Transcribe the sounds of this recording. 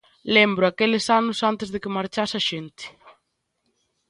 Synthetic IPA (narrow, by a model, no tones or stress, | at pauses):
lɛmbɾʊakɛlɪsanʊsant̪ɪzðekɪmaɾt͡ʃasaʃent̪ɪ̥